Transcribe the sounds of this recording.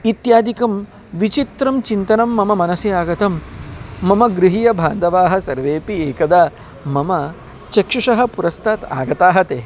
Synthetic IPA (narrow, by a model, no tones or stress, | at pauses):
it̪jaːd̪ʱikɐm | ʋit͡ʃit̪ɾɐmt͡ʃint̪ɐnɐmːɐmɐmɐnɐsjɐjaːɡɐt̪ɐmː | ɐmɐɡɾiɦijɐbʱaːnd̪ɐʋaːɦɐ̆sɐɾʋeːpieːkɐd̪aː | mɐmɐ | t͡ʃɐkʂiʂɐɦɐ̆puɾɐst̪ʰaːt̪a̰ːɡɐt̪aːɦɐt̪eː